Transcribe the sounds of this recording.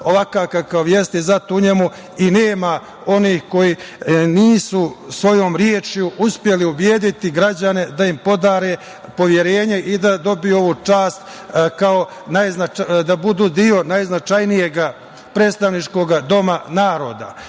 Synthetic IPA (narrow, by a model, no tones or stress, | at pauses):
o̞ʋakaːkakaoʋje̞st̪izat̪ouɲemu | ineːma | o̞niːhko̞jiniːsusʋo̞jo̞ːmɾjeːt͡ʃjuuspje̞liubjeːd̪it̪iɡɾad͡ʑane̞d̪aimpo̞d̪aːɾe̞ | po̞ʋje̞ɾe̞ːɲe̞ʔid̪ad̪o̞bijuo̞ʋuːt͡ʃaːst̪ | kao̞ | najznad̪abud̪uːd̪io̞najznat͡ʃajnije̞ɡa | pɾe̞ːt̪st̪aʋnit͡ʃko̞ɡad̪o̞manaːɾo̞ːd̪a̰